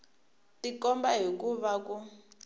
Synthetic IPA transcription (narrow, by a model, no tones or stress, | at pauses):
tikɔmbaɦikuβaku